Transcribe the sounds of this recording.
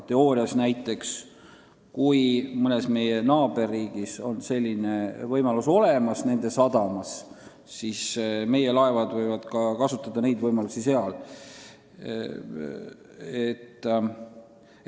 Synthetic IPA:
t̪e̞o̞ːɾiɑsnæjt̪ːˑe̞ks | kujmɤnesme̞jenɑːbe̞rːiːɡ̥iso̞̰nse̞lʲːinevɤjmɑluso̞le̞mɑsne̞nd̪e̞sɑd̪ɑmɑs | sisme̞je̞lɑe̞vɑd̪vɤjvɑd̪̥kɑkɑsut̪ːˑɑd̪̥ɑne̞jd̪vɤjmɑlusise̞ɑl | et̪ːˑ

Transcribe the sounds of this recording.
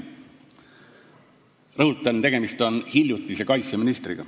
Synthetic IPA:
rɤɦut̪ːˑɑnt̪e̞ɡ̥emist̪o̞nhilʲjut̪ːˑise̞kɑjt̪seminist̪rḭɡ̥ɑ̰

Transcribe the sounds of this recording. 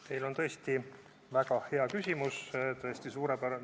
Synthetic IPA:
t̪e̞jlo̞nt̪ɤ̞esʲt̪i | væɡ̥ɑhe̞ɑkysʲimust̪ɤ̞esʲt̪isuːɾepæɾɑ

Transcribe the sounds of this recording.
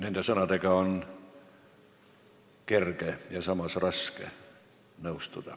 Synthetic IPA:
nænt̪æsɑnɑt̪ɑkɑon | kerkæjɑsɑmɑsrɑskæ | neust̪ut̪ɑ

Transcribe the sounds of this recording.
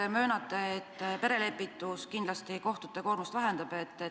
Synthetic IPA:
emø̞ːnɑt̪ːˑe̞ːt̪ːpe̞ɾe̞le̞pːit̪ːˑuskind̪lɑst̪iko̞ht̪ut̪ːe̞ko̞ːrmust̪væɦe̞nd̪ɑb̥et̪ːe

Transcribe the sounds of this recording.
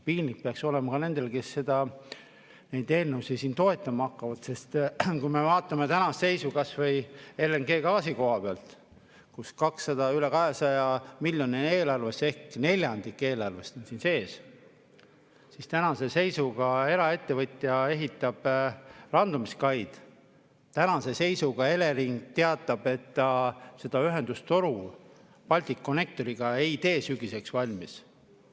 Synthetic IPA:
piːlnːik̚peɑkso̞le̞mɑkɑne̞nd̪̥e̞lke̞sːe̞d̪̥ɑ | ne̞jd̪e̞ːlnewsisiːnt̪o̞e̞t̪ːˑɑmɑɑkːɑvɑd̪̥se̞st̪kujme̞vɑːt̪ˑːɑme̞t̪ænɑsse̞jsukɑsvɤ̞jeleŋɡe̞ːkɑːsiko̞ɦɑpeɑlt̪ | kuskɑksːɑd̪ɑylekɑɦesɑjɑmilʲjonie̞ːlɑrvese̞hkne̞lʲjɑnd̪ikːˑe̞ːlɑrvest̪onsiːnse̞ːs | sist̪ænɑse̞se̞jsuɡ̥ɑe̞ɾɑe̞t̪ːe̞vɤt̪ʲːˑjɑe̞ɦit̪ːˑɑb̥rɑnd̪̥umiskɑjd̪̥ | t̪ænɑse̞se̞jsuɡ̥ɑe̞le̞ɾiŋɡ̥̚t̪e̞ɑt̪ːˑɑb̥e̞t̪ːˑɑse̞d̪̥ɑyɦe̞nd̪ust̪o̞ɾu | pɑlʲt̪ikːone̞k̚t̪o̞ɾiɡ̥ɑeit̪e̞ːsyɡise̞ksvɑlʲmis

